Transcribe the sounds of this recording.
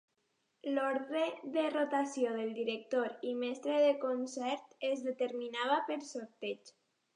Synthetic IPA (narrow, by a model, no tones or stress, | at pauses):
loɾðɾeðerot̪asjoðelˠd̪iɾek̚t̪oɾimɛst̪ɾeðekonsɛɾt̪ezðet̪eɾminaβ̞apeɾsoɾt̪et͡ʃ